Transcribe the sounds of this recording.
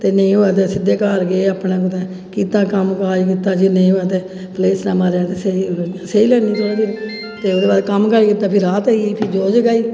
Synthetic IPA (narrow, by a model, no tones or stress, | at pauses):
t̪eːnəĩːɦoːɛːt̪̬eːsɪd̪eːkaːɾɡeːaːpnãːkʊt̪ɛ̃ː | kiːt̪ãːkəmkaːikɪt̪ːaːd͡ʒinəĩːoːɛːt̪̬eː | pleːsnãːmaɾaːt̪eːseiiaseiːlɛːniːt̪ʰoːɽaːd͡ʒi | t̪eːʊd̪eːbaːd̪kəmkəɾiːkɪt̪ːaːpʰɪɾːaːt̪aiːpʰɪɾd͡ʒoːd͡ʒɡaːiː